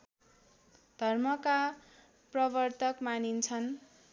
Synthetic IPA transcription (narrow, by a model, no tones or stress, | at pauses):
d̪̥ʱʌrmʌka | prʌbʌrt̪ʌkmanint͡sʰʌn